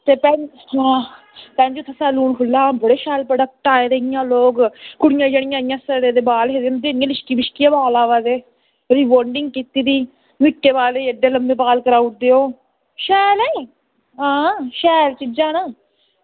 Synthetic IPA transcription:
t̪eːpɛː | hãː | pɛ̃ːnd͡ʒot̪ʰːasaːluːnkʰʊlːãːbəɽeːʃɛːlpəɖək̚ʈaːeːd̪eɪjãːloːkkʊɽɪjãːd͡ʒəɽ̃ɪjãːɪjãːsəɽeːd̪eːbaːlɦeːd̪emd̪eːnɪjãːlɪʃkiːbɪʃkɪjãːbaːlaːʋaːd̪eː | ɾiːʋoːɳɖɪŋɡ̚kit̪iːd̪iː | mɪʈːeːbaːleːəɖeːləmbeːpaːlkəɾaːʊʈ̚d̪eːoː | ʃɛːlɛ | ɦãːʃɛːlt͡ʃid͡ʒãːnaː

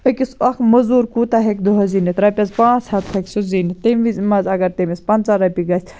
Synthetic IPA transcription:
ɐkʲisɐxmɐzuːɾkut̪ɐɦekʲd̪uɦɐziːnit̪ɾɐpʲɐzpãːt͡shɐt̪hɐkʲsuzinit̪emʋizmɐzɐɡɐɾt̪ɐmispɐnt͡sɐɾɐpʲiɡɐsʲ

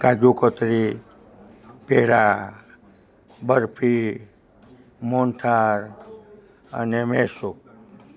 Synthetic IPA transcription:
kad͡ʒukɔt̪ɾi | peɽa | bəɾpʰi | mont̪ʰaɾ | ə̰nemesuk̚

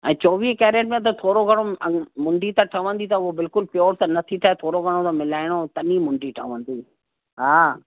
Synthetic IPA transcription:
ɛ̰̃ːt͡ɕoːʋiɦkɛːɾeːʈmẽt̪ɐt̪ʰoːɾoɡʱɐɽ̃oɐmʊ̃ɳɖit̪ɐʈʰɐʋə̃nd̪it̪ɐobɪlkʊlpɪjoːɾt̪ɐ̃nɐt̪ʰit̪ʰaːet̪ʰoːɾoɡʱɐɽ̃ot̪ɐmɪlaːɪɽ̃ot̪ɐnimʊ̃ɳɖiʈʰɐʋə̃nd̪iː | ɦaː

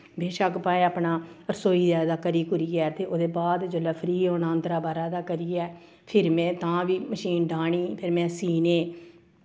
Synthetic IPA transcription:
beːʃəkpaːẽːaːpnaːɾəsoːiːzɛːd̪aːkəɾiːkʊɾiːɛːt̪eːʔoːd̪eːbaːd̪d͡ʒoːlɛːpʰəɾiːɦõːnaːənd̪ɾaːbaːɾaːd̪aːkəɾiːɛː | pʰɪɾmɛ̃ːt̪ãːʋiːməʃiːnɖaːɳiːpʰɪɾmɛ̃ːsiːneː

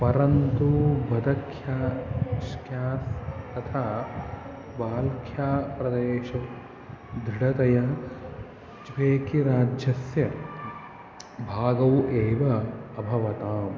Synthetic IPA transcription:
pɐɾɐnt̪ubʱɐd̪ɐkʰjaːʃkjaːst̪ɐt̪ʰaː | baːlkʰjaːpɾɐd̪eːʃɐ | d̪ʱɾiɽɐt̪ɐjɐ | t͡ʃʋeːkiɾaːd͡ʒjɐsjɐ | bʱaːɡɐwʔeːʋɐːbʱɐʋɐt̪aːm

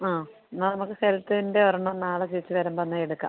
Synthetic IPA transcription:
aː | nːɐːnɐmukːɨselt̪ːɐindeʋɐrɐɳɐnːaːɭɐt͡ɕejit͡ɕːɨʋɐɾɐmpɐnːaːjeɽukːa̰ːm

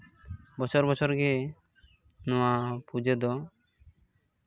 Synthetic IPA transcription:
bɔt͡ʃʰɔɾbɔt͡ʃʰɔɾɡɛ | nɔwapud͡ʒɛd̪ɔ

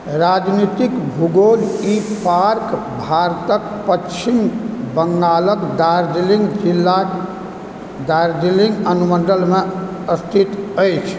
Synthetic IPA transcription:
ɾad͡ʒnit̪ikbʱuɡolipaɾk | bʱaɾt̪ək̚ | pət͡ʃʰimbəŋɡaləkd̪aɾd̪iliŋɡd͡ʒilːa | d̪aɾd̪iliŋɡənumənd̪əlme | əst̪ʰit̪əjt͡ʃʰ

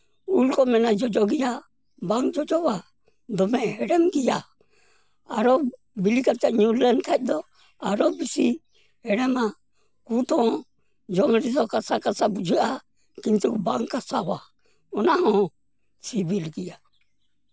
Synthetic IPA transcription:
ulkɔmɛnad͡ʒɔd͡ʒɔɡija | baŋkd͡ʒɔd͡ʒɔβa | d̪ɔmɛɛɾɛmɡija | aɾɔ | bilikat͡ʃaɲulɛnkʰac̚ˀd̪ɔ | aɾɔbisi | hɛɾɛma | kut̪ɔ̃ | d͡ʒɔŋɾizɔkasakasabud͡ʒɯʔa | kint̪ukbaŋkːasawa | ɔnahɔ̃ | sibilɡija

